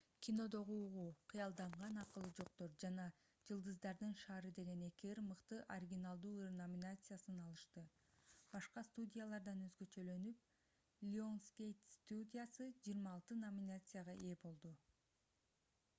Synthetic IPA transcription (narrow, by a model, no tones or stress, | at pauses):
kʲʰino̞d̪o̞ʁuːʁuqʰɯjɑlˠd̪ɑɴʁɑnɑqɯlˠɯd͡ʒo̞qt̪o̞ɾd͡ʒɑnɑ | d͡ʒɯlˠd̪ɯzd̪ɑɾd̪ɯnʃɑːɾɯd̪e̞ɡe̞ne̞kiɾmɯqt̪ɯʔɐɾʲiɡʲinalˠd̪uːrnomʲinat̪sɨjasɯnɑlˠɯʃt̪ɯ | b̥ɑʃqɑst̪udʲijalˠɑɾd̪ɑnø̞zɡø̞t͡ʃø̞lø̞nyp̚ | lʲo̞nskʲejt̪st̪udʲijasɯd͡ʒijɾmɑːlˠt̪ɯnomʲinat̪sɨjaʁɑʔeːbo̞lˠd̪u